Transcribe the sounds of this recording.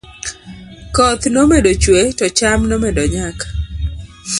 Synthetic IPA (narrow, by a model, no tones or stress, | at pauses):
kɔt̪nomedot͡ʃwetɔt͡ʃamnɔmedɔɲakḁ